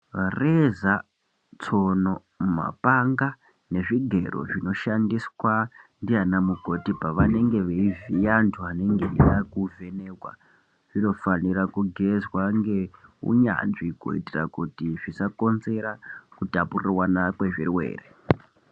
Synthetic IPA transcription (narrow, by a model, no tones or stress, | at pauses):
reza | t͡so̞no | ma̰paŋɡa | ne̞ʐiɡʱe̞ɾo̰ʐino̞ʃandiswandianamuko̞tipaʋane̞ŋɡe̞ʋeivijantʰuane̞ŋɡenijakuve̞nekwa̰ | ʐ̥ino̞faniɾakuɡʱe̞zwaŋɡe̞ṵɲa̰nʐiko̰ḭtira̰kutiʐisako̞nze̞ɾakutapurirwanakwe̞ʐirwḛːre